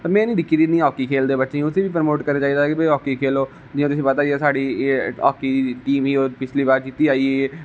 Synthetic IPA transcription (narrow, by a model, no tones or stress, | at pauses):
t̪aːmɛ̃ːnĩːd̪ɪkʰːiːd̪iːnĩːɦɔːkiːkʰeːld̪eːbətːʃẽːʊsẽːʋiːpəɾəmoːʈkəɾneːt͡ʃaːiːd̪akebeiɦɔːkiːkʰeːloː | d͡ʒɪjãːt̪ʊsĩːpət̪aːiɛːsaːɽiːɔ̰ːkiːʈiːmɦiːoːɾpɪt͡ʃʰliːbaːɾit̪iːaːieː